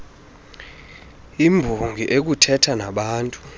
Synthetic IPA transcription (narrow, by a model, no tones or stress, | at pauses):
imbʱuŋɡʱiʔek̬utʰɛtʰanaɓaːntʼu